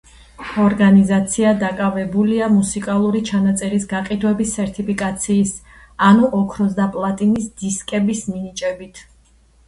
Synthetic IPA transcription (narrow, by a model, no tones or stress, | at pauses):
ɔɾɡanizat̪sʰiad̪akʼavɛbuliamusikʼalˠuɾit͡ʃʰanat̪sʼɛɾisɡaqʼid̪wɛbisɛɾt̪ʰʼipʰikʼat̪sʰiːs | anuʔɔkʰɾɔsd̪apʼlˠat̪ʼinisd̪iskʼɛbisminit͡ʃʼɛbit̪ʰ